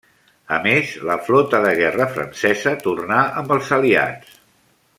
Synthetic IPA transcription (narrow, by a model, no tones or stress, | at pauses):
əmezləflɔt̪əðəɣɛrəfɾə̰nsɛzət̪urnaəmbəlˠzəlia̰t͡s